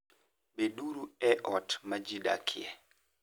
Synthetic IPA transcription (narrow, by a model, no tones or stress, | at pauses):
bɛɗuɾuɛʔɔtmad͡ʒiɗa̰kʰiɛ